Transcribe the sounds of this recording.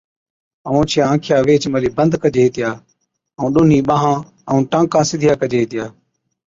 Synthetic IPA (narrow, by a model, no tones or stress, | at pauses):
əʋõːt͡ʃʰɪjãːãːkʰjaːʋeːt͡ʃməliːbənd̪kəd͡ʒeːɦeːt̪ɪjaː | əũːɗʊːn̤iːɓãːɦãː | əũːʈãːkãːsɪd̪ʱɪjaːkəd͡ʒeːɦeːt̪ɪjaː